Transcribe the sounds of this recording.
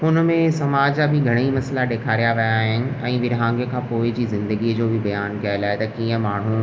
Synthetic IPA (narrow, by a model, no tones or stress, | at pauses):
ʊnmẽsɐmaːd͡ʑabʱɪɡʱɐɽ̃imɐslaɗeːkʰaːɾijaʋɐjaɦɪnɪ̆ɛ̃ːʋɪɾɦãːŋɡjəkʰãːpoːɪd͡ʑiːzɪ̃nd̪əɡid͡ʑoːbʱibɐjaːnkijaelaːet̪ɐkĩːə̃maːɳ̤ũ